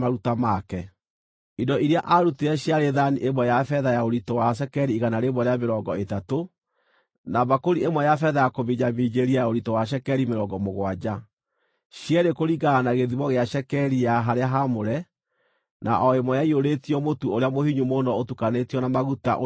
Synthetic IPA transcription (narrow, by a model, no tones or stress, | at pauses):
aɾutamakɛ | idɔʔiɾeaʔaɾuteɛɕjaɾeðaniʔemwɛjafɛðajaoɾitɔwaʃ̬ɛkɛɾiːɣanaɾeβɔɾeameɾɔɡɔetato | nabakoɾiemwɛjafɛðajakoβiɲamiːd͡ʑeɾiajaoɾitɔwaɕ̬ɛkɛɾimeɾɔɡɔmoɣwad͡ʑa | ɕjɛɾekoɾiɡaːnaɣeðiβɔɣeaʃɛkɛɾijaɦaɾeaɦamoɾɛ | na̰ʔɔemwɔjaioɾetiɔmotuoɾeamohiɲumonɔotukanetiɔnamaɣuta̰ʔo